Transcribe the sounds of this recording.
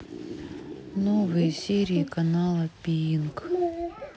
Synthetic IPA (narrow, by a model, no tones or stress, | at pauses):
novɨjəsʲeɾʲiːkɐnalˠəpʲiink